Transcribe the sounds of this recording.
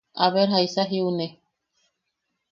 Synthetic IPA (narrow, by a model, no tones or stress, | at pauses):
aβeɾɦaisaɦiune